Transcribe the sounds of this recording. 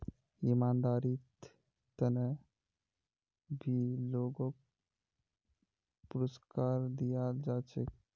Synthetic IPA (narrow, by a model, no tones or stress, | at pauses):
imaːnd̪aːɾit̪ | t̪əne | bʱiloːɡok | puɾəskaːɾd̪ijad͡ʒaːt͡ʃek